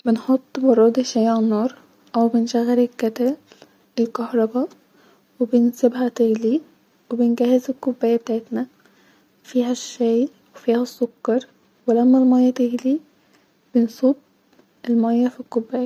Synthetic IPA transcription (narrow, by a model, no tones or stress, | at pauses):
benħot̪ˤːbɑrˤɑd̪iʃæjʕanːɑːɾˤ | ʔæwbɪnʃæɣːælɪlkːæt̪æl | elkɑhɾˤɑbɑ | webɪnsɪbɦæt̪eɡli | webenɡæhːɪzɪlkːʊbːæːjæb̚t̪aʕet̪næ | fiːɦæʃːæːj | wefiːhæsːokːɑɾˤ | welæmːælmɑjːɑt̪eɡli | b̥ɪnsˤub | elmɑjːɑfikːʊbːæːjæ